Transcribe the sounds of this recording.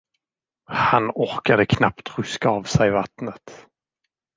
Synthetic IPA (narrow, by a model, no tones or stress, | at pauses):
hanɔɾkad̪əkʰnapt̪ɾɵskaːvsɛjvat̪nət̪